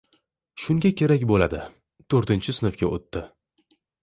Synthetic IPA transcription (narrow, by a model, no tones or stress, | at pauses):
ʃʊŋɡʲakʲʰe̞ɾakʲbolad̪ɪ | t̪ʰoɾt̪ɪnt͡ʃʰɪsɪnɨfkʲaot̪ːɪ